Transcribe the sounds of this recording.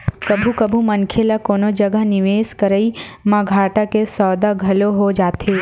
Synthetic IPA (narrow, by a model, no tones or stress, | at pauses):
kɐbʱukɐbʱumɐnkʰelakoːnod͡ʒɐɡəɦnɪʋeːskɐɾəimãɡʱaːʈakesɔːd̪aɡʱɐloɦod͡ʒaːt̪eː